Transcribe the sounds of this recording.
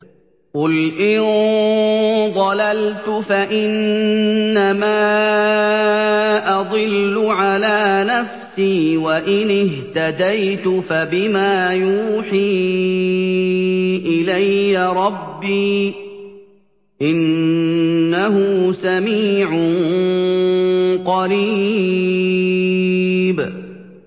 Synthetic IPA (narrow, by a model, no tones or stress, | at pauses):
qʊlʔɪn | ðˤɑlalt̪ʊfaʔɪnː | amaː | ʔɑd̪ˤɨlːʊʕalaːnafsiːwaʔɪnɪɦt̪ad̪ajt̪ʊfabɪmaːjuːħiː | ʔɪlajːaɾˤɑbːiː | ʔɪnː | ahʊsamiːʕʊ | qɑɾiː | b